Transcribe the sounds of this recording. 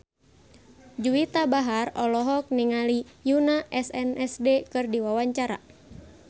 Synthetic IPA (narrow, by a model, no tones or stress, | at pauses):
d͡ʒuit̪abaɦarɔlɔɦɔk̚niŋalijunaʔɛsɛnɛsdekɨrdiwawaɲt͡ʃaɾa̰